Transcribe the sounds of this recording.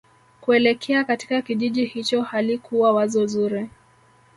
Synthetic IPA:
kuɛlɛkʰɛakati̥kakiʄiʄihit͡ʃɔhalikʰuwawazɔzuɾi

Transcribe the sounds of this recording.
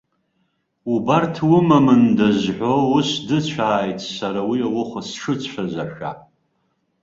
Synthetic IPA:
ubartʰwʊmamɨndazħʷowʊsdɨt͡ɕʷʰaːjtʰʼsaɾawiawʊχasʂɨt͡sʷʰazaʃᶣa̰

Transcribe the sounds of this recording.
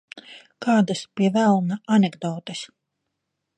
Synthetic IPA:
kaːd̪aspiɛvælˠnaʔanʲeɡd̪ɔːt̪es

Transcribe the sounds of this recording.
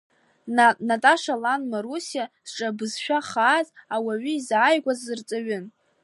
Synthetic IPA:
natʼaʂalanmaɾusiaz̥ʈ͡ʂʼabɨzʃᶣaχaːzʼawaɥʏizaːjɡʷazɨrt͡sʼaɥʏn

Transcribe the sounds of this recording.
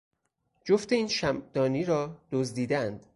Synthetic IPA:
d͡ʒoft̪e̞iːnʃæmd̪̥ɒːniːɾɒːd̪̥ozd̪iːd̪eænd̪̥

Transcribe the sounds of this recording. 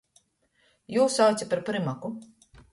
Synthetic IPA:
juːsawt̪sʲapaɾpɾimaku

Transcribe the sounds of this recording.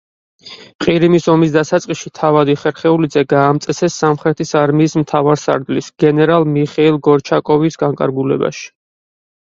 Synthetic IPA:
qʼiɾimisɔmis̬d̪asat̪sʼqʼiʃit̪ʰavad̪iχɛɾχɛulid̪zɛɡaːmt̪sʼɛsɛsːamχɾɛt̪ʰisaɾmiːsmt̪ʰavaɾsa̰ɾd̪lisɡ̥ɛnɛɾalˠmiχɛilˠɡɔɾt͡ʃʰakʼɔvisɡaŋkʼa̰ɾɡulɛ̰ba̰ʃi̥

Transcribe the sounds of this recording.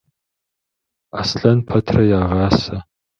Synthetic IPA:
asɬɐnpʰɐtʰrɐjaːʁɑːsɐ

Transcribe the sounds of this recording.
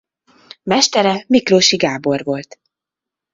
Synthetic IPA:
mɛʃt̪ɛɾɛmikroːʃiɡaːbo̞rvo̞lt̪

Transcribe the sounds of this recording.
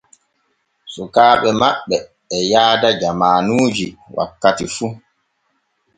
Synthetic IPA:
sɔkaːɓɛmaɓːɛː | jaːdad͡ʒamaːnuːd͡ʒiwʔa̰kːatifu

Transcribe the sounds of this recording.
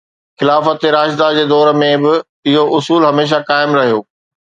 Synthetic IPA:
xɪlaːfət̪eɾaːʃd̪ad͡ʑeːd̪ɔːɾə̆mẽbɪ | ɪɦoʔʊsuːlɦɐmeːʃ̬akaːɪmɾɐɦijoː

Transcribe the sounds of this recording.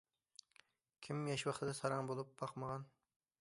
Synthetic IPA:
kʲʰimjɑʃwɑχt̪ʰɨd̪ɛsɑɾɑŋbolˠup̚bɑqməʁɑn

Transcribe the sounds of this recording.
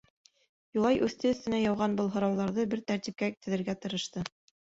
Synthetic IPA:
julˠɑjʔʉθt̪ɘɵ̆θt̪ɘ̆næjɑwʁɑnbɤlˠɦŏɾɑwðɑɾðɤbɘɾt̪æɾt̪ip̚kæt̪ɘ̆ðɘ̆ɾɡæt̪ɤ̆ɾɤ̆ʃt̪ɤ

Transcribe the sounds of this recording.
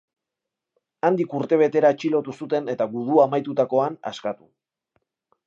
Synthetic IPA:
and̪ikuɾt̪e̞β̞e̞t̪e̞ɾaet͡ʃilo̞t̪usut̪e̞ne̞t̪aɡuð̞uamajt̪ut̪ako̞ana̰skat̪u

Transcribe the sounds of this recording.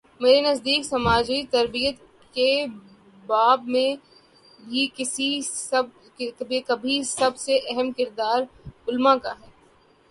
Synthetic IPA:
meːɾenɐzd̪iːksɐmaːd͡ʒit̪ɐɾbijət̪ | ke | baːbmẽ | bʱikɪsiɐb | kbʱikɐbʱisɐbseʔɛɦəmkɪɾd̪aːɾʊlmãkaɦɛː

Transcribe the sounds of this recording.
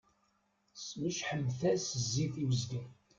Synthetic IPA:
sməʃħəmːθæsəzːiθiwəzd̪i

